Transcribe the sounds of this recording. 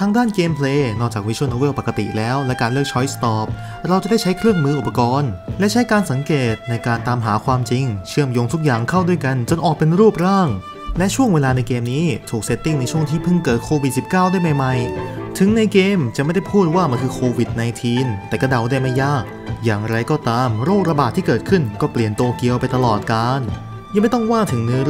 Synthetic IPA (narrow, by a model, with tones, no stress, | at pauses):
t̪ʰaː˦˥ŋdaː˥˩nkeː˧mpʰleː˧nɔː˥˩t͡ɕaː˨˩wi˦˥t͡ɕʰo˥˩noː˧we˥˩wpa˨˩ka˧t̪ḭ˨˩lɛː˦˥wlɛ˦˥kaː˧nlɯ˥˩k̚t͡ɕʰɔ˦˥jst̪ɔː˨˩p̚ | ɾa˧wt͡ɕa˨˩da˥˩jt͡ɕʰjkʰɾɯ˥˩əŋmɯː˧˩ʔu˨˩pːa˧kɔː˧nlɛ˦˥t͡ɕʰa˦˥jkaː˧nsa˨˩˦ŋkeː˨˩t̪̚na˧jkaː˧nt̪aː˧mɦaː˩˦kʰwaː˧mt͡ɕi˧ŋt͡ɕʰɯ˥˩əmjo˧ŋt̪ʰu˦˥k̚jaː˨˩ŋkʰa˥˩wdu˥˩əjka˧nt͡ɕo˧nʔɔː˨˩k̚pe˧nɾuː˥˩p̚ɾaː˥˩ŋ | lɛ˦˥ʔt͡ɕʰu˥˩əŋweː˧laː˧na˧jkeː˧mniː˦˥t̪ʰuː˨˩k̚se˦˥t̪ːi˥˩ŋna˧jt͡ɕʰu˥˩əŋt̪ʰiː˥˩pʰɯ˥˩ŋkɤː˨˩t̪̚kʰoː˧wi˨˩si˨˩p̚kaː˥˩wdaː˥˩jma˧˩jma˧jt̪ʰɯ˩˦ŋna˧jkeː˧mt͡ɕa˨˩ma˥˩jda˥˩pʰuː˥˩t̪̚waː˥˩ma˧nkʰɯː˧kʰoː˧wi˨˩t̪̚na˧jt̪ʰiː˧nt̪ɛː˨˩ka˥˩da˨˩wda˥˩jma˥˩jːaː˥˩k̚jaː˨˩ŋɾa˧jkɔː˥˩t̪aː˧mɾoː˥˩k̚ɾa˧baː˨˩t̪ʰːiː˥˩kɤː˨˩t̪̚kʰɯ˥˩nkɔː˥˩pli˨˩ənt̪u˧ɐki˧əwpa˧jt̪a˧lɔː˨˩t̪̚kaː˧n | jaː˧ma˥˩jt̪ɔ˥˩ŋwaː˥˩t̪ʰɯ˩˦ŋnɯ˦˥